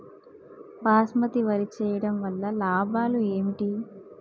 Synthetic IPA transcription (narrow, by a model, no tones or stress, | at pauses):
baːsmɐt̪iʋɐɾit͡ʃɛːjɐɽɐmʋɐlːɐlaːbʱaːlueːmiʈi